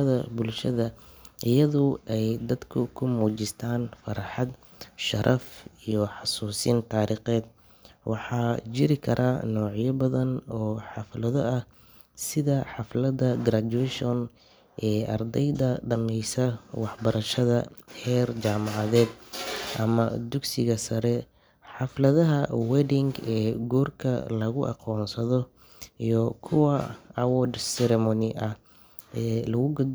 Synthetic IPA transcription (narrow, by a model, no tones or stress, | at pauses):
ɐðɐbʊlʃɐðɐʔɪjɐðʊʔɛjd̪ɐd̪kʰʊkʰʊmuːt͡ʃɪst̪ʰaːnfɐɾɐħɑd̪ | ʃɐɾʔɐfijɔħɑsuːsiːnt̪ʰaːɾiːqɛːd̪ | wɑħɑːt͡ʃɪɾɪkʰɐɾʔaːnɔːʕjɐbɐðɐnɔːħɑflɐðɔʔɐh | sɪðɐħɑflɐd̪ɐɡɾad̪uɛʃɔn | ʔɛːʔɐ̰rd̪ɛjðɐɖɐnɛjsɐwɑħbɐɾʔɐʃɐðɐ̰hɛːrt͡ʃaːmɑʕɑðɛːd̪̚ʔɐmɐ̰d̪ʊɡsɪɣɐsɐɾɛ | ħɑflɐðɐɦɐwɛdɪŋɡɛːɡuːrkʰɐ̰lɐɣʊʔɑ̰qɔːnsɐðɔ | ijɔkʰʊwɐɐwɔdsɛɾɛmɔnɪʔɐh | ɛːlɐɣʊɡ